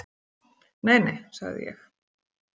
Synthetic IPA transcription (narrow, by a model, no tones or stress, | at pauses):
nejnejsa̰ɣðɪ̰jɛ̰x